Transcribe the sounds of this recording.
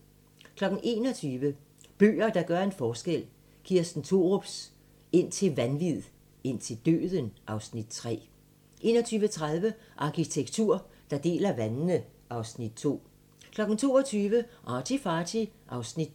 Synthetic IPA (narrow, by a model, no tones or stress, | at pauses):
kʰlɒ̽ɡ̥n̩ʔe̝̰ːnɒ̽t͡sʰyːʋə | b̥ø̰ːɐd̥ɑ̈ɡ̥ɶɐe̝nfɒːsɡ̥el̰ | ɡ̥iːɐsd̥n̩t͡sʰo̝ːʁob̥s | e̝n̰t͡sʰe̝lʋænʋið̰ˠ | e̝n̰t͡sʰe̝ld̥ø̰ːðˠənʔɑ̈ʊsnid̥t͡sʰʁɛ̰ː | ʔe̝̰ːnɒ̽t͡sʰyːʋət͡sʰʁaðˠʋəʔɑ̈kʰit͡sʰeɡ̥̚t͡sʰuɐ̰d̥ɑ̈d̥e̝̰ːlɐʋænnəʔɑ̈ʊsnid̥̚t͡sʰo̝̰ː | kʰlɒ̽ɡ̥n̩t͡sʰo̝̰ːɒt͡sʰyːʋəʔɒt͡sʰifɑːt͡sʰiʔɑ̈ʊsnid̥